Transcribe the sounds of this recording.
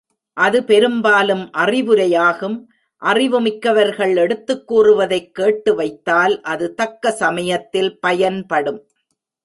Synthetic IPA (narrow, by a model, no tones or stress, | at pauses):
ʔɐðɯpɛɾɯmbaːlɯmʔɐrɪʋɯɾɐjaːɣɯm | ʔɐrɪʋɯmɪkːɐʋɐɾɣɐɭɛɽɯt̪ːɯkːuːrɯʋɐðɐɪkːeːʈːɯʋɐɪt̪ːaːlʔɐðɯt̪ɐkːɐsɐmɐjɐt̪ːɪlpɐjɐnpɐɽɯm